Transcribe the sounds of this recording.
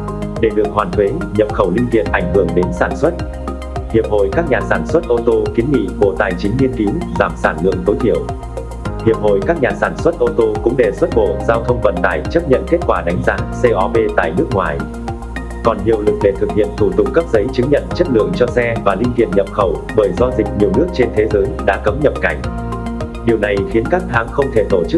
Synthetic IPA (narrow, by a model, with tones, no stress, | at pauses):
ɗe˧˩ɗɨ˨˩ək̚hwaː˨˩nt̪ʰwe˨˦ɲə˨˩p̚xə˧˩wlï˧ŋ̟vḭ˧˨ənʔa˧˩jŋ̟hɨ˧˩əŋɗe˨˦nsaː˧˩nswə˦˥t̚ | hi˨˩əp̚ho̰˧˨jkaː˦˥k̚ɲaː˨˩saː˧˩nswə˦˥t̚ʔo˧t̪o˧ki˨˦ənŋḭ˧˨ɓo̰˧˩t̪aː˨˩jt͡ɕï˨˦ŋ̟ːi˧ənki˨˦wzaː˨˩msaː˧˩nlɨ̰˧˨əŋt̪o˨˦jt̪ʰi˧˩əw | hi˨˩əp̚ɦo̰˧˨jkaː˦˥k̚ɲaː˨˩saː˧˩nswə˦˥t̚ʔo˧t̪o˧kʊ̰˧˥ŋ͡mɗe˧˩swə˦˥t̚ɓo̰˧˨zaː˧wt̪ʰə˧wŋ͡mvə̰˧˨nt̪aː˧˩jt͡ɕə˦˥p̚ɲə̰˧˨nke˦˥t̚kwaː˧˩ɗa˨˦jŋ̟zaː˨˦se˧ʔɔ˧pe˧t̪a̰ː˧˨jnɨ˦˥ək̚ŋwa̰ː˨˩j | kɔ˨˩nɲi˨˩əwlɨ˨˩k̚ɗe˨˩t̪ʰɨ˨˩k̚hḭ˧˨əmt̪ʰu˧˩t̪ʊ˨˩k͡p̚kə˦˥p̚zə˨˦jt͡ɕɨ˨˦ŋɲə̰˧˨nt͡ɕə˦˥t̚lɨ̰˧˨əŋt͡ɕɔ˧sɛ˧vaː˨˩lï˧ŋt̪ḭ˧˨ənɲə˨˩p̚xə˧˩wɓəː˧˩jzɔ˧zï˨˩k̟̚ɲi˨˩əwnɨ˦˥ək̚t͡ɕe˧nt̪ʰe˨˦zəː˨˦jɗa̰ː˧˥kə˨˦mɲə˨p̚ka˧˩jŋ̟ | ɗi˨˩əwna˨˩jxi˨˦ənkaː˦˥k̚t̪ʰaː˨˦ŋxə˧wŋ͡mt̪ʰe˧˩t̪o˧˩t͡ɕɨ˦˥